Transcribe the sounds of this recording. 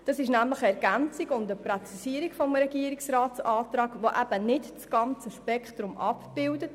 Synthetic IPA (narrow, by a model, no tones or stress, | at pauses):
d̥ɑsɪʃnæmləχəɛɾɡ̥ænt͡siɡʊndəpɾot͡sisiəɾikfɔmɾɛɡiəɾiksɾɑːtt͡sɑːt̪ɾɑːɡʋoʔæb̥ənɪtt͡sɡ̥ɑnt͡səʃpɛkχt̪ɾʊmʔɑpb̥ɪldət